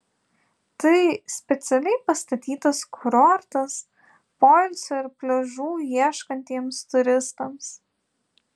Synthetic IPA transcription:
t̪ɐɪsʲpʲɛt̪sʲɛlʲɛɪpɐst̪ɐt̪ʲiːt̪ɐskʰʊɾɔɾt̪ɐs | pɔlʲsʲoɪɾpʲlʲɛʒuːjiɛʃkɐnʲt̪ʲiɛmst̪ʊɾʲɪst̪ɐms

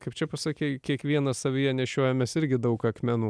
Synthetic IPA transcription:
kɐɪp̚t͡ʃʲɛpɐsɑːkʲeɪkʲiɛkʋʲiɛnɐssɐʋʲɪjɛnʲɛʃʲoɔjɛmʲɛsɪɾʲɡʲɪd̪ɐʊkɐkmʲɛnuː

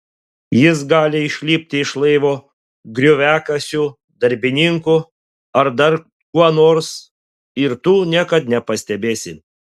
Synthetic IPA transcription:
jɪs̬ɡɑːlʲɪɪʃʲlʲiːpʲt̪ʲɪɪʃlˠɐɪʋoː | ɡɾʲʊʋʲæːkɐsʲuː | d̪ɐɾʲbʲɪnʲɪŋkʊ | ɐɾd̪ɐɾ | kuɔnoːɾs | ɪɾt̪uːnʲiɛkɐt̪nʲɛpɐsʲt̪ʲɛbʲeːsʲɪ

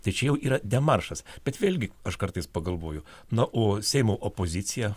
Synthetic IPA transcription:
t̪ɐɪt͡ʃʲɛjɛʊiːɾɐd̪ʲɛmɐrʃɐsbʲɛt̪ʋʲeːlʲɡʲɪɐʃkɐɾt̪ɐɪspɐɡɐlˠʋoːjʊ | nɐʔoːsʲɛɪmoːʔopoːzʲɪt̪t͡s̪ʲɪjɛ

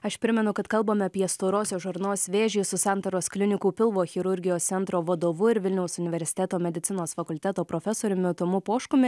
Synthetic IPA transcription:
ɐʃpʲɾʲɪmʲɛnʊkɐt̪kɐlˠboːmʲɛɐpʲiɛst̪oːɾoːsʲoːʒʊɾnoːsʲʋʲeːʒʲiːsʊsɑˑnt̪ɐɾoːsklʲɪnʲɪkuːpʲɪlˠʋoːxʲɪɾʊɾʲɡʲɪjoːst̪sʲɛnt̪ɾoːʋɐd̪oːʋʊɪɾʋʲɪlʲnʲɛʊsʊnʲɪʋʲɛɾʲsʲɪ̥t̪ʲɛːt̪oːmʲɛd̪ʲɪt̪sʲɪnoːsfɐkʊlʲt̪ʲɛːt̪oːpɾoːfʲɛsoːɾʲʊmʲɪt̪ʊmʊpoːʃkʊmʲɪ

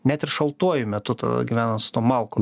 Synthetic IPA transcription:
nʲæt̪ɪɾʃɐlˠt̪uɔjʊmʲɛt̪ʊt̪ɐ̰d̪ɐ̰ɡʲiʋʲæːnɐnt̪sʊ̥t̪uɔmɐlˠkoː

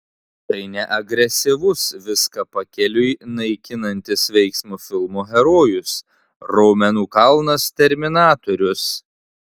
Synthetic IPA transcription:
t̪ɐɪnʲɛʔɐɡɾʲɛsʲɪʋʊsʋʲɪskɐpɐkʲɛlʲʊjnɐɪkʲɪnɐnʲt̪ʲɪsʋʲɛɪksʲmuːfʲɪlˠmoːɣʲɛɾoːjʊs | ɾɔʊmʲɛnuːkɐlˠnɐst̪ʲɛɾʲmʲɪnɑːt̪oɾʲʊs

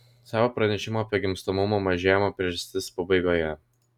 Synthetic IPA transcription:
sɑːʋoːpɾɐnʲɛʃʲɪmoːɐpʲiɛɡʲɪmst̪omʊmomɐʒʲeːjɛmɐpʲɾʲɛʒɐst̪ʲɪspɐbɐɪɡoːjɛ

